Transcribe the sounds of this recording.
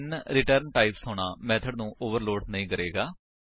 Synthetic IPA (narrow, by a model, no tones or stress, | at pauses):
nɾɪʈəɾnʈaːɪpsɦoːɳaːmɛːt̪ʰəɖnũːʔoːʋəɾloːɖnəĩːkəɾeːɡaː